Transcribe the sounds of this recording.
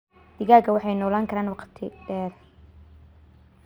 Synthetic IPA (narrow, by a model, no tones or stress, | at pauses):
d̪̥ɪɣaːɡɐwɑħɑjnɔːlaːŋkʰɐɾaːnwɑqt̪ʰɪɖɛːr